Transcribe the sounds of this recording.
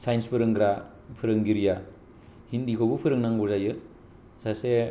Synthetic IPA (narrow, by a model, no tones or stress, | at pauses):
sajnspʰɯɾɯŋɡɾa | pʰɯɾɯŋɡiɾija | hindikʰobɯpʰɯɾɯŋnaŋbozajɯ | sase